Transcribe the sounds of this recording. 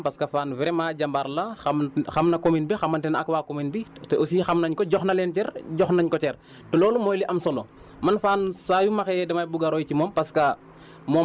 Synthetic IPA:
pɐskɐfaːnvɛɾɛmaːɟɐmbaɾlɐxɐxɐmnɐkominbixɐmɐntɛnɐkwaːkominbitɛosiːxɐmnɐɲkɔɟɔxnɐlɛːnt͡ʃɛɾɟɔxnɐɲkɔt͡ʃɛr | tɛlɔːlumɔːjliʔɐmsɔlɔ | mɐnfaːnsaːjumɐxɛɛdɛmɐjbuɡɐɾɔjcimɔːmpɐskɐ | mɔː

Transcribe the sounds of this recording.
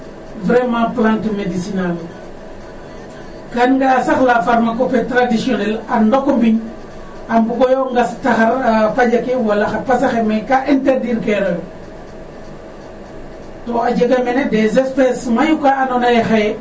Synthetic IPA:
vɾemãplantmedisinal | kanŋɡasaxlafaɾmakopetɾadisionelandokombin | ambuɡojoŋɡastaxaɾpaɟakewalːaxapasaxemakaʔinteɾdiɾkeɾoj | toad͡ʒeɡamenedezespesmajukaanonajexa

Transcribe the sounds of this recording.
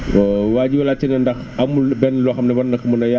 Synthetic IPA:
waːɟiwɐlat͡ʃɛnɛndɐx | ɐmubɛnlɔxɐmnɛbɐnːɐkɐmunɐja

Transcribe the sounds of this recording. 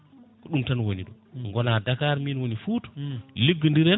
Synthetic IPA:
kɔɗumtanwoniɗɔ | ŋɡɔnadakaɾminwonifutɔ̥liɡːəndiɾɛ

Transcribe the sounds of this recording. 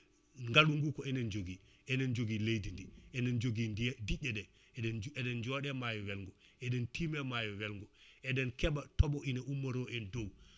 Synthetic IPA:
ŋɡaluŋɡukɔɛnend͡ʒoɡi | ɛnend͡ʒoɡilejdindiɛnend͡ʒoɡiddiɟɛdɛ | ɛdɛnd͡ʒɔɗɛmajɔwɛlŋɡu | ɛdɛntimɛmajɔwɛlŋɡuɛdɛnkɛbatɔɓɔʔineʔumːaɾɔʔɛndow

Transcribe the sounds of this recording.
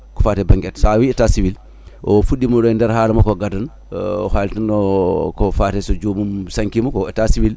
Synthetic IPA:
kɔfatɛbaŋɡɛtsawiɛtasiwil | ʔɔfuɗːimɔɗɔndɛɾhaːlamɔkɔɡadan | haltanɔkɔfatɛsɔd͡ʒomumsaŋkimɔkɔɛtasiwil

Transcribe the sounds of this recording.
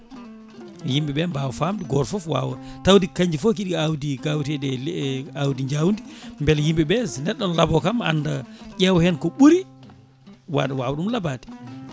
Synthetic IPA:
jimɓɛɓɛmbawɔfamdiɡɔɾfɔfwa̰ːwɔtawdikaɲd͡ʒifɔkiɗiawdiɡawtɛdɛlawdiɲd͡ʒawndimbɛljimɓɛɓɛsnɛɗːɔnlabɔkama̰nːdaʄɛwhɛnkɔɓuɾi | wa̰ɗawaːwɔɗumlabati̥

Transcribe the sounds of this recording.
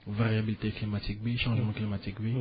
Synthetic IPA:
vaʁjabilit̪eklimat̪ik̚beʃɑ̃ʒmɑ̃klimat̪ikbe

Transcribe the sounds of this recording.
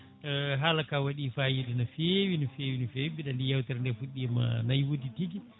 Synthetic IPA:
ɦalakawaɗiːfajiɗɛnafewinufewinufeibiɗandijawtɛɾndɛɾfuɗːiɛma̰najwoditiɡi

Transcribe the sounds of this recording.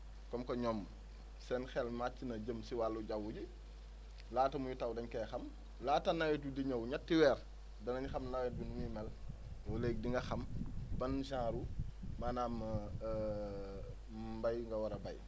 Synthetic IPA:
kɔmkɔɲɔm | sɛnxɛlmat͡ʃːinɐɟəmsiwalːuɟawːuɟi | laːtɐmujitɐwdɐɲkɛxɐm | laːtɐnɐwɛtudiɲɐwɲatːiwɛːɾ | dɐnɐɲxɐmnawɛt̚binumimɐl | wɔlek̚diŋɡɐxɐmbɐnʒãːɾumanaːmɐ | bɐjŋɡɐwɐɾɐbɐj

